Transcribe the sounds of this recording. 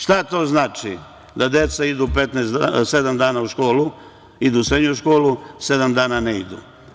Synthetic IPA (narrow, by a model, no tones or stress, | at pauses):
ʃt̪at̪o̞ːznaːt͡ʃḭ | d̪ad̪jet̪said̪upet̪neːsse̞d̪amd̪aːnauʃko̞ːlu | id̪uːsɾed̪ɲuʃko̞ːluse̞d̪amd̪aːnaneḭd̪ṵ